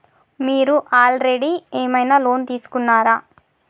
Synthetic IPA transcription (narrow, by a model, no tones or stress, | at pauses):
miːɾuʔaːlɾeɽieːmɐjnaːlo̞ːnt̪iːsu̥kunːaːɾaː